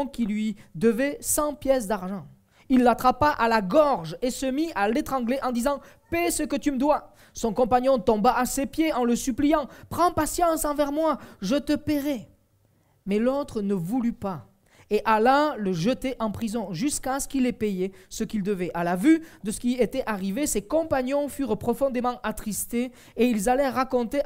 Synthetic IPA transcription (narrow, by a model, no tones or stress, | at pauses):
kilɥid̪əvɛsɑ̃pjɛs̬d̪aʁʒɑ̃ | ilːat̪χapaʔalaɡɔʁʒesəmialet̪χɑ̃ɡleʔɑ̃d̪izɑ̃ | pesəkət̪yməd̪wa | sɔ̃kɔ̃paɲjɔ̃t̪ɔ̃baʔasepjeɑ̃ləsyplijɑ̃pχɑ̃pasjɑ̃sɑ̃vɛʁmwaʒət̪əpeʁɛ | mɛlot̪χənəvulypa | eʔalaləʒət̪eʔɑ̃pχizɔ̃ʒyskasə̥kilepejɛsəkild̪əvɛʔalavyd̪əsə̥kʲiet̪ɛʔaʁivesekɔ̃paɲjɔ̃fyʁpχɔfɔ̃d̪emɑ̃ʔat̪χist̪e | eilzalɛʁakɔ̃t̪e